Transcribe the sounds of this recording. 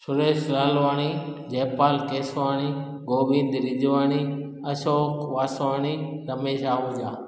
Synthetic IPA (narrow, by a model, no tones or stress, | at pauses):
ʃʰʊɾeːsɾaːlʋaːɳiːd͡ʒeːpaːlkeːsʋaːɳiː | ɡoːʋɪ̃nd̪ɾɪd͡ʒʋaːniː | əʃoːkʋaːsʋaːɳiːɾəmeːʃaːɦʊːd͡ʒaː